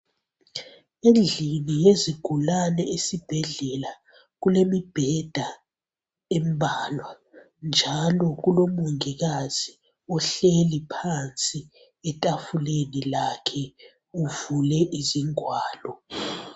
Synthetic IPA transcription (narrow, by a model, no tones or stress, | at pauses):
end͡ɮʱinijeziɡ̥ʱulanɛesib̥ʱɛɮɛla | k̬ulemib̥ʱɛd̥ʱa | ɛmbʱaːlwa | nd͡ʒʱalɔk̬ulomuŋik̬azi | ɔɬelipʰant͡sʼi | ɛtʼafulenilakʰɛ | uvulɛʔiziŋwaːlɔ